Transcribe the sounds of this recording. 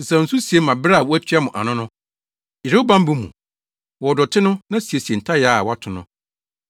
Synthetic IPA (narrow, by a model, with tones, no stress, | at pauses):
n̩˨sã˨n̩˨sũ˦si˨e˦mã˨bɾa˦˨wɔ˦æ˦t͡ɕʰᶣa˦mʊ̃˨ʔa̰˨nʊ̃˦nʊ̃˦ | jɪ˨ɾo˦u˦bã˦m˦bũ˦mṵ̃˨ | wɔ˨dɔ˨tʰɪ˦nʊ̃˦nã˦si˨e˨si˨e˨n̩˨tʰa˦ja˦a˨wa˦tʰʊ˨nʊ̰̃˦